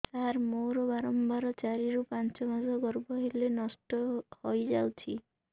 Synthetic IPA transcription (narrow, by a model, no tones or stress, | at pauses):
taɾmoɾɔbaɾɔmbaɾɔt͡ʃaɾiɾupant͡ʃɔmazʱɔɡɔɾbɔɦelenɔsʈɔhojd͡ʒawt͡ʃʰi